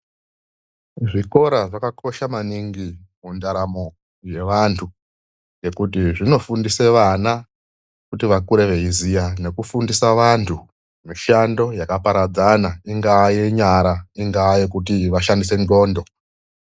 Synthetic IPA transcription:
ʐiko̞ɾaʐakako̞ʃamaniŋɡimundaɾamo̞ | je̞ʋantʰu | je̞kutiʐino̞fundise̞ʋana | kutiʋakuɾeʋe̞izijane̞kufundisaʋantʰu | miʃando̞jakapaɾad͡zanaiŋɡajeɲaɾaiŋɡaːjekutiʋaʃandise̞no̞ːndo̞

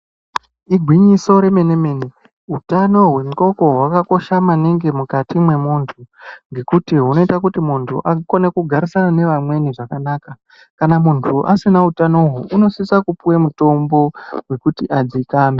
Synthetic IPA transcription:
iɡʱwiɲiso̞ɾe̞me̞neme̞ːni | ɦutano̞ɦwe̞muko̞ko̞ɦwakako̞ʃamaniŋɡe̞mukatimwe̞muːntʰuŋɡe̞kutiɦuno̞itak̬utimuntʰuʔako̞ne̞kuɡʱaɾisanane̞ʋamwe̞niʐakanaːka | kanamuntʰuʔasinautano̞ɦuʔuno̞sisakupuwemuto̞mbo̞we̞kutiʔad͡zikaːme

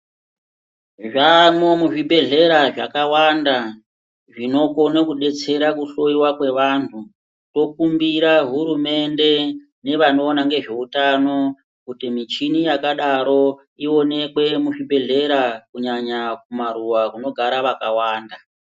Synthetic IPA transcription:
ʐamomuʐibʱe̞ɮe̞ɾaʐakawanda | ʐino̞ko̞nakuɗe̞t͡se̞ɾakuɬo̞iwakwe̞ʋantʰu | to̞kumbiɾaɦuɾume̞nde̞ | ne̞ʋano̞ːnaŋɡe̞ʐe̞utano̞ | kutimit͡ʃinijakaɗaɾo̞ | io̞ne̞kwe̞muʐibʱe̞ɮe̞ɾakuɲaɲak̚umaɾuwakuno̞ɡʱaɾaʋakawaːnda

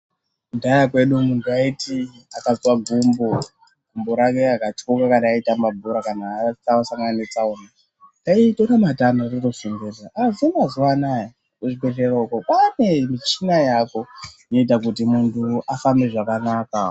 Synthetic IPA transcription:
ndajakwe̞ɗumuntʰuaiti | akazwaɡʱumbo | ɡʱumboɾake̞akatokakanaitamabʱoɾakanaːt͡saasaŋɡaanet͡saona | aitonamatanorirkosimbezaʔazuanazuwanaja | oʐiketeroukopane̞mit͡ʃinajako̞ino̞it̬ak̬ut̬imuntʰuʔafambe̞ʐakanaːka

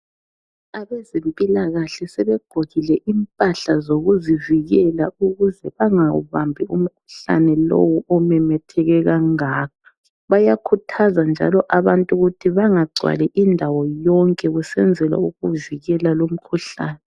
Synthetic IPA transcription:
aβɛzempʼilaɣaɬɛsɛβɛɡ͡ǃ̥ʱoɣilɛʔimpʼaɬazoɣuziviɣɛlauɣuzɛβaŋaṵβambʱium̩kʰu̥ɬa̰nɛlo̰wuʔɔmɛmɛtʰɛɣɛɣaŋaːp̚ʰɔ̥ | βajakʰutʰazand͡ʒʱa̰lɔʔaβantʼuɣutʰiβaŋaɡ͡ǀʱwa̰lɛʔindʱawɔjɔŋkʼɛɣusɛnd͡zʱɛla̰uɣuviɣɛlalom̩kʰuɬa̰ːnɛ

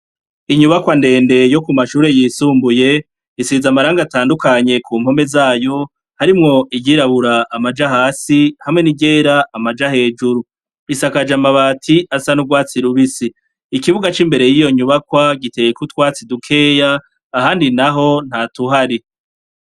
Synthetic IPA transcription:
iɲuβakwande̞ːnde̞jo̞kumaʃuːɾe̞jiːsuːmbuje̞ | isizamaɾaːŋɡataːndukaɲe̞kʰuːmho̞me̞zaːjo̞ | haɾimŋo̞ijiɾaβuɾaːmad͡ʒahaːsihamŋe̞niɟe̞ːɾaʔːmad͡ʒahe̞ːd͡ʒuɾu | isakad͡ʒamaβaːtʰiasanuɡwaːt͡siɾuβisiː | kiβuɡat͡ʃimbe̞ɾe̞jijo̞ɲuβakwaɡite̞ːjekutwaːt͡sidukʰe̞ːjaː | ɦaːndinaɦo̞n̥hatuɦaɾi

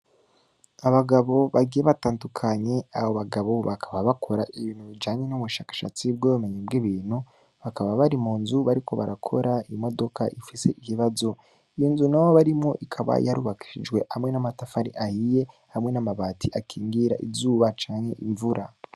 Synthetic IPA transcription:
aβaɡaβo̞βaɡijeβataːndukʰaɲe̞aβoβaɡaβo̞βakʰḁβaβakʰo̞ɾaʔiβiːn̥huβid͡ʒaːɲe̞nuβuʃaːkḁʃat͡sib̚ɡoβume̞ɲibɡiβiːnhu | βakaβaβaɾimuːnzuβaɾikʰo̞βa̰ɾakʰo̞̰ɾaimo̞do̞ka̰ʔifise̞ʔiβiβazo̞ | ijinzunawoβaɾimŋo̞̰ʔikʰaβa̰jaɾuβaki̥ʃid͡ʒɡwe̞hamŋenamatafaɾiʔahije̞ | hamŋe̞namaβaːtʰiʔakʰiːŋɡiɾaʔizuːβat͡ʃaːɲhe̞ʔiɱvuɾʔa

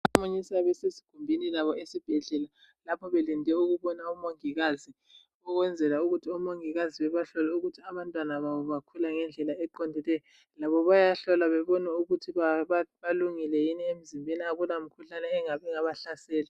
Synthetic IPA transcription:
amuɲisaβɛsesi̥ɡ̥ʱumbʱinilaβɔesib̥ʱɛɮɛla | lapʰɔβelindʱɛuɣuβɔnaumoŋiɣazi | ɔɣwɛnd͡zʱɛlauɣutʰiumoŋiɣaziβɛβaɬɔlɛuɣutʰiaβantʼwanaβawuβakʰulaŋɛnd͡ɮʱɛlaɛǃɔndʱɛlɛjɔ | laβɔβajaɬɔlaβɛβɔnɛuɣutʰiaβaluŋilɛjiniem̩zimbʱeniaɣulamikʰuɬanɛːŋaβɛŋaβaɬasɛːlɛ

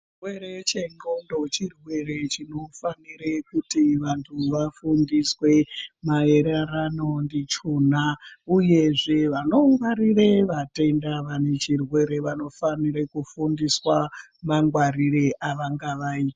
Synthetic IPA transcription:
irweɾet͡ʃe̞ŋɡondo̞t͡ʃirwe̞ɾe̞t͡ʃino̞faniɾekutiʋantʰuʋafundiswe̞maeɾaɾanondit͡ʃun̤auje̞ʐe̞ʋano̞ʋaɾireʋate̞ndaʋane̞t͡ʃirwe̞ɾe̞ʋano̞faniɾekufundiswamaŋɡwaɾiɾeʔaʋaŋɡaʋaiːt

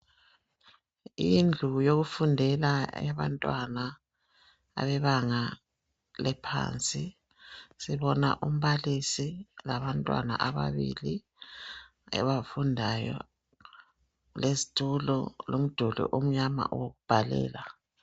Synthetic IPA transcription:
ind͡ɮʱujoɣufundʱɛlaa̰βa̰ntʼwana | a̰βɛβaŋa | lɛpʰa̰ːnt͡sʼi | siβɔna̰ʔum̩βalisilaβantʼwa̰na̰ʔaβaβḭli | ɛ̰βafundʱajɔ̰ | lezitʰʼulɔ̰lom̩d̥ʱulṵʔom̩ɲama̰ʔuwoɣub̥ʱalɛ̰ːla

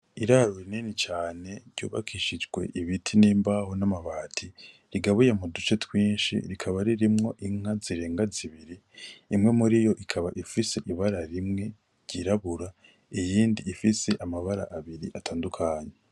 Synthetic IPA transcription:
iɾaɾoɾinenit͡ʃaːne̞ɾɟṵːβa̰kʰiʃid͡ʒɡwe̞̰ʔiβitʰiniːmbaho̞namaβaːtʰi | ɾiɡaβujamudut͡ʃe̞twiːnʃḭɾikʰaβaɾiɾimŋo̞ʔiŋ̥aziɾe̞ːŋɡaziβiɾiː | mŋe̞muɾijo̞ʔikʰaβa̰ʔifise̞ʔiβaɾaɾimŋe̞ | ɾɟiɾaβuɾa | ijiːndiːfise̞ʔamaβaɾa̰ʔaβiɾiʔatʰaːndukʰaːɲe

